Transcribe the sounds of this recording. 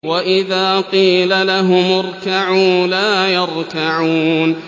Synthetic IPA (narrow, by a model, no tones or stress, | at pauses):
waʔɪðaːqiːlalaɦʊmʊɾˤkaʕuːlaːjɑɾˤkaʕuːn